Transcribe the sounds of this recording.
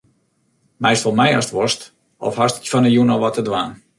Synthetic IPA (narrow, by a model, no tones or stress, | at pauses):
mɛjstɔlˠmɛja̰stʋɔst | ɔ̰fhastə̥kfɔnəjunɔlˠʋɔtʰədʋaːn